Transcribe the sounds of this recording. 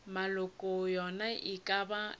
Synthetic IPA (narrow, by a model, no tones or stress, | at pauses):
malʊkʼʊjɔnaʔɪkʼaba